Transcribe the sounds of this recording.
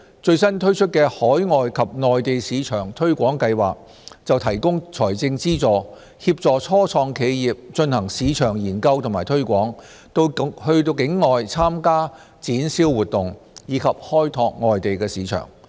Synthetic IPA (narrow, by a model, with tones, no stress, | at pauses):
t͡sɵ˧ɥsɐ˥nt̪ʰɵ˥ɥt͡ʃʰɵ˥t̚kɛː˧hɔː˨˥jŋɔː˨jkʰɐ˨p̚ŋɔː˨jt̪e˨jsiː˨˧t͡ʃʰœː˨˩ŋt̪ʰɵ˥ɥkʷɔː˨˥ŋkɐ˧jwa̰ː˨k̚ | t͡sɐ˨wt̪ʰɐ˨˩jkʊ˥ŋt͡sʰɔː˨˩jt͡sɪ˧ŋt͡siː˥t͡sɔː˨ | hiː˧p̚t͡sɔː˨t͡sʰɔː˥t͡sʰɔː˧ŋkʰe˨˧jjiː˨˩p̚t͡sɵ˧nhɐ˨˩ŋsiː˨˧t͡ʃʰœː˨˩ŋjiː˨˩nkɐ˧wt̪ʰʊ˨˩maː˨˩jt̪ʰɵ˥ɥkʷɔː˨˥ŋ | t̪o˧hɵ˧ɥt̪o˧wkɪ˨˥ŋːɔː˨jt͡sʰaː˥mkaː˥ | t͡siː˨˥nsiː˥wːuː˨˩t̚t̪ʊ˨ŋjiː˨˧kʰɐ˨p̚hɔː˥jt̪ʰɔː˧k̚ŋɔː˨jt̪e˨jkɛː˧siː˨˧t͡ʃʰœ̰ː˨˩ŋ